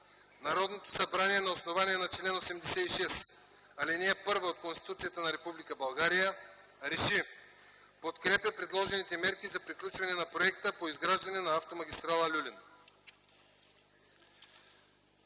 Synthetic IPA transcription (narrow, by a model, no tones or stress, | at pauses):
naɾɔd̪not̪o̥sabɾaniɛnaosnovaniɛnat͡ʃlɛnosɛmd̪ɛsɛiʃɛs | alinɛɛpɤɾvaot̪̚konst̪i̥t̪ut̪sijat̪ənaɾɛpublikəbɐlˠɡaɾijə | ɾɛʃi | pot̪kɾɛpapɾɛd̪lˠɔʒɛnit̪ɛmɛɾkʲizapɾiklʲut͡ʃvanɛnapɾoɛkt̪əpoizɡɾaʒd̪ɐnɛnaaft̪omaɡʲist̪ɾalˠɐlʲulʲin